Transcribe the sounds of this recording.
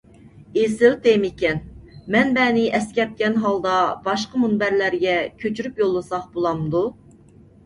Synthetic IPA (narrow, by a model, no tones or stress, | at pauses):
esɪlt̪emekʲɛnmɛnbɛnɪʔɛskʲɛp̚kʲɛnɦɑlˠd̪ɑb̥ɑʃqəmunbæɾlæɾɡʲɛkʲʰøt͡ʃʰyɾypjolˠːɨsɑqbolˠɑmd̪u